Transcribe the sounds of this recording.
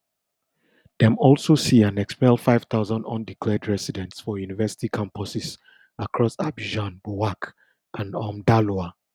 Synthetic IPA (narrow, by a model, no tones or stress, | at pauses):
ðɛ̃mɔlˠsosiãnɛkspɛlˠfaɪv̥θaʊzə̃ndɔ̰̃ndikʰlɛdɹɛsidɛ̃ntsfɔjunivɛsi̥tikʰãmpɔsɪs | akʰɹɔsabiʒãnbuak | ʔãnɔmdalua